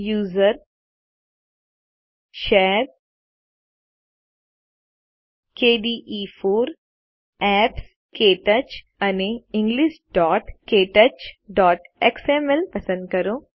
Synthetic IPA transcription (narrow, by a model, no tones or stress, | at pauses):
juːzəɾ | ʃeːɾ | keːɖiːʔiːfʰuːɾ | ɛːps | keːʈɐt͡ʃ | ɐneɪ̃ŋɡliːʃɖɔːʈkeːʈɐt͡ʃɖɔːʈeksemelpɐsə̃nd̪̚kɐɾoː